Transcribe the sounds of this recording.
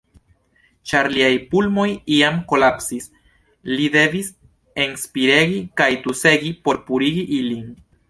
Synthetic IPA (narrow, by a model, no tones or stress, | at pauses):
t͡ʃaɾliajpulmo̞jiamko̞lapsis | lid̪e̞vis | enspiɾe̞ɡikajt̪use̞ɡipo̞ɾpuɾiɡiʔilin